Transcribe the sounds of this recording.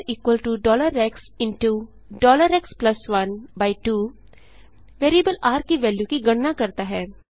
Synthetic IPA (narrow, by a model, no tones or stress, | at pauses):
iːkwəlʈuɖɔːləɾɛks | ɪ̃nʈu | ɖɔːləɾɛksplɐsʋɐnbaːɪʈuː | ʋeːɾiəbəlaːɾkiʋɛːljukiɡɐɽnakɐɾt̪aɦɛː